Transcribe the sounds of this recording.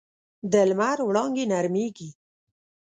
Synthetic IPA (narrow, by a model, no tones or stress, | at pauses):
d̪əlmaɾwɽɑŋɡinaɾmeɡi